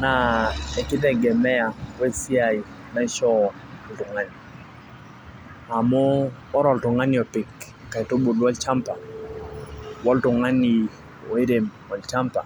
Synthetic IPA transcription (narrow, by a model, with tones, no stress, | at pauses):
na˨ɛ˨kɪ˦tɛ˦˨ɡɛ˨mɛ˦a˨we˦si˦a˨i˨ | mɛ˦ʃɔ˦˨ | ltʊ˨ŋa˦ni˨ | a˨mɔː˦ | ɾɔ˨ltʊ˨ŋa˦ni˨ɔ˨pɪ˨kː | a˨i˨to˦bo˨dwɔ˦lt͡ʃa˦mpa˨ | wɔ˦ltʊ˨ŋa˦ni˨ | ɔ˨e˦ɾe˨m | ɔ˨lt͡ʃa˦mpa̰˨